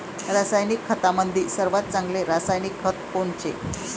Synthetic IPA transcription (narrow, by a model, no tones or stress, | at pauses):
ɾasajnikʰːət̪aməd̪ʱːiːsəɾʋat̪̚t͡sãŋɡleɾasajnikʰːət̪̚kont͡ɕḛ